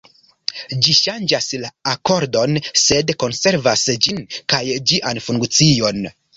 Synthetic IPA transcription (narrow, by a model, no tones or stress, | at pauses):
d͡ʒiʃand͡ʒaslaːko̞ɾdo̞nse̞dko̞nse̞ɾvasd͡ʒinkajd͡ʒiʔanfuŋkt͡sio̞n